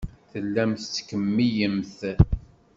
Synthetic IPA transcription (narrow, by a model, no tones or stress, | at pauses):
θəlːæmθt͡sːkəmːijəmθ